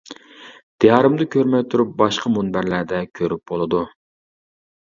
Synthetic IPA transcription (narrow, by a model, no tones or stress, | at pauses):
d̪̥ijɑːɾɨmd̪ɨkʲʰøɾmɛjt̪ʰuɾup̚bɑʃqʰɑmunbæɾlæɾd̪ɛkʲʰøɾyp̚bolˠɨd̪u